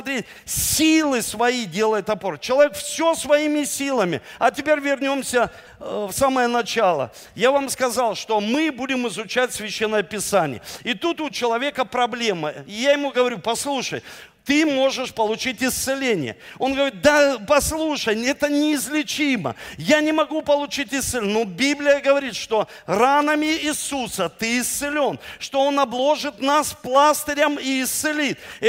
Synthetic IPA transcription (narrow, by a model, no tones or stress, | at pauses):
t̪ɾʲet̚ʲ | sʲilˠɨsvɐidʲe̞lˠəjʊt̪ɐpo̞rt͡ɕːɪlˠɐvʲekfsʲosvɐimʲɪsʲilˠəmʲɪ̰ɐtʲɪpʲeɾʲvʲɪrnʲo̞msʲə | fsaməjənɐt͡ɕalˠə̰ | javamskɐzalˠʂt̪o̞mɨbudʲɪmɪzʊt͡ɕætʲsʲvʲɪɕːenːəjəpʲɪsanʲɪ̰jə̰ɪt̪ut̪ʊt͡ɕɪlˠɐvʲe̞kəpɾɐblʲeməɪjajɪmuɡəvɐɾʲupɐslˠuʂəj | t̪ɨmo̞ʐɨʂpəlˠʊt͡ɕitʲɪst̪sɨlʲenʲɪ̰jə̰o̞nɡəvəɾʲit̪̚d̪apɐslˠuʂəjɛt̪ənʲɪːzʲlʲɪt͡ɕimə̰janʲɪmɐɡupəlˠʊt͡ɕitʲɪst̪ɨlʲnobʲiblʲɪjəɡəvɐɾʲit̪ʂt̪o̞ | ranəmʲɪːsusət̪ɨɪst̪sɨlʲo̞nʂt̪o̞o̞nɐblˠo̞ʐɨt̪nasplˠasʲt̪əɾʲəmɪɪst̪sɨlʲit̪̚